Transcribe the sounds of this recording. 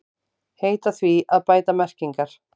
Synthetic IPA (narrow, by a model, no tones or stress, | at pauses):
heːjt̪aθviaðpaːjt̪amɛr̥ciŋkaɾ̥